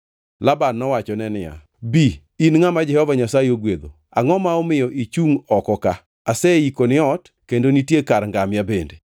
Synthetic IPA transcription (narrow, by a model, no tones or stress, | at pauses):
labanːɔwat͡ʃɔnɛnɪja̰ | bi | inŋamad͡ʒɛhɔvaɲasajeoɡwed̪o̰ | a̰ŋɔmaɔmɪjɔʔit͡ʃuŋɔkɔka | asɛikonɪɔt | kendonitjekaɾŋɡamjabende